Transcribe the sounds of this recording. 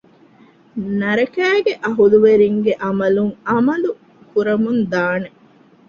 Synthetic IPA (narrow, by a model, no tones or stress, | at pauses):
nɐɾɐkæːɡeʔɐɦuluʋeɾiŋɡeʔɐmɐluŋɐmɐlu | kuɾɐmund̪aːne